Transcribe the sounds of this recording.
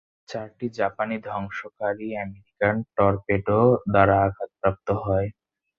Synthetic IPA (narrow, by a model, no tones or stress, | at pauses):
t͡ɕaɾʈid͡ʑapanid̪ʱɔŋʃokaɾiɛmeɾikanʈɔɾpeʈod̪aɾaakat̪̚pɾap̚t̪oɦɔe